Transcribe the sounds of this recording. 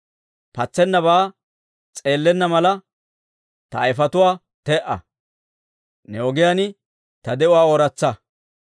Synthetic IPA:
pɐt͡sːɛnːɐβaː | t͡sʼe̞ːlːɛnːɐmɐlɐ | t̪ɐːjɪfɐt̪ʊwaː | t̪ɛʔɐ̰ | nɛɔɡɪjanɪ | t̪ɐd̪ɛʊwaːoɾɐt͡sːɐ

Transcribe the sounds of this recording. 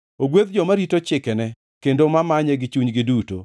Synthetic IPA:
oɡweðd͡ʒɔmaɾitot͡ʃɪkɛnɛ | kendomamaɲɛɡɪt͡ʃuɲɡɪduto̰

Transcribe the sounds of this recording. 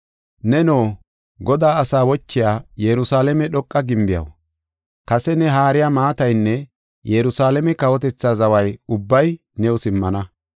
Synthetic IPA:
nɛnoː | ɡɔd̪aːɐsaːwɔt͡ʃːɪjaːjɛɾʊsaːlɛmɛɗɔkʼːɐɡɪmbɪjɐ̰w | kɐsɛnɛɦaːɾɪjamaːt̪ɐjnːɛ | jɛɾʊsaːlɛmɛkɐwɔt̪̬ɛt͡sːaːzɐwɐjʊbːɐj | nɛʊsɪmːɐnɐ

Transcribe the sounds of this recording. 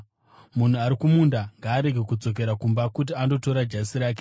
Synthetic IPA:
mun̤uaɾikumundaŋɡaːɾe̞ɡʱe̞kud͡zo̞k̬e̞ɾakumbakut̬iando̞to̞ɾad͡ʒasiɾaːk̬e

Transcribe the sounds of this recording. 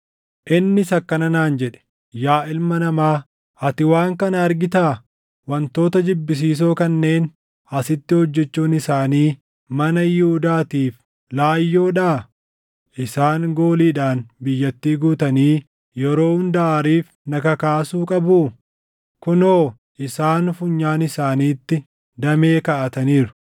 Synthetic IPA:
ʔɪnːɪsɐkːɐnɐnaːnd͡ʒɛᶑɛ̥ | jaːʔɪlmɐnɐmaː | ɐt̪ɪwaːŋkɐnɐɐɾɡɪt̪aː | wɐnt̪o̞ːt̪ɐd͡ʒɪbːɪs̬iːs̬o̞ːkɐnːe̞ːn | ɐsɪt̪ːɪhɔd͡ʒːɛt͡ʃːuːnɪsaːniː | mɐnɐjɪhʊd̪aːt̪iːf | laːjːo̞ːᶑaː | ʔɪsaːŋɡo̞ːliːᶑaːnbɪjːɐt̪ːiːɡuːt̪ɐniː | jɛɾo̞ːhʊnd̪ɐaːɾiːf | nɐkɐkaːsuːkʼɐbuː | kʊnoː | ʔɪsaːnfʊɲːaːnɪsaːniːt̪ːɪ | d̪ɐme̞ːkɐʔɐt̪ɐniːɾʊ̥

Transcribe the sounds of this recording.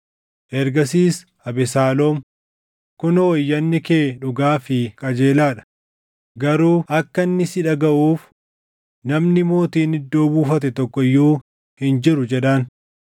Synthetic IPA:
ʔɛɾɡɐs̬iːs | ɐbɛsaːloːm | kʊnɐwɔjːɐnːɪkeːᶑʊɡaːfɪkʼɐd͡ʒeːlaːᶑɐ̥ | ɡɐɾuːʔɐkːɐnːɪsɪᶑɐɡɐʔuːf | nɐmnɪmo̞ːt̪iːnɪd̪ːo̞ːbuːfɐt̪̬ɛt̪ɔkːɔɪjːuː | hɪnd͡ʒɪɾʊd͡ʒɛᶑɐn

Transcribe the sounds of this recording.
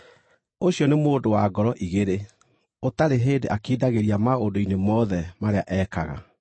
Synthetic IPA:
oɕjɔnemoːdowaɡɔɾɔʔiɣeɾe | otaɾeɦeːndeʔakiːdaɣeɾiamaondoinemɔðɛmaɾeaʔɛkaɣa̰

